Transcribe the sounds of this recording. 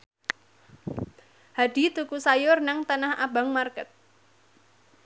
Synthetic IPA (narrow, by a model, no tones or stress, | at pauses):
haɖ̥i̤t̪ukusajʊrnaŋt̪anahaba̤ŋmarkət̪̚